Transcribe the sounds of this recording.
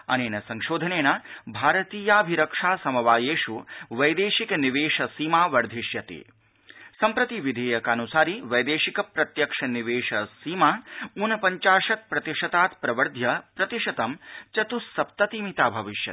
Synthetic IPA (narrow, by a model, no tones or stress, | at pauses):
ɐ̰neːnɐsɐŋʃoːd̪ʱɐneːnɐbʱaːɾɐt̪iːjaːbʱiɾɐkʂaːsɐmɐʋaːjeːʃuʋɐjd̪eːʃikɐniʋeːʃɐsiːmaːʋɐɾd̪ʱiʃjɐt̪ḭ | sɐmpɾɐt̪iʋid̪ʱeːjɐkanusaːɾiʋɐjd̪eːʃikɐpɾɐt̪jɐkʂɐniʋeːʂɐsiːmaːunɐpɐɲt͡ʃaːʂɐt̪̚pɾɐt̪iʂɐt̪aːt̪pɾɐʋɐɾd̪ʱjɐpɾɐt̪iʃɐt̪ɐmt͡ʃɐt̪usːɐp̚t̪ɐt̪imit̪aːbʱɐʋiʃjɐ̰̥